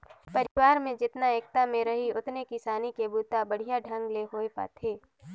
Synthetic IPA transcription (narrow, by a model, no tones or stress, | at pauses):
pɐɾɪwaːɾmẽd͡ʒɪt̪naeːk̚t̪amẽɾɐɦiʊt̪nekisaːnikebuːt̪abɐɽ̤ijaɖʱɐ̃ŋɡleɦoːepa̰ːt̪ʰeː